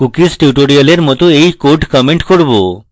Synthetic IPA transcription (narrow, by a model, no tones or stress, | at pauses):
kukisʈjuʈoɽijəleɾmɔt̪oejkoɾʈkɔmeɳʈkoɽbo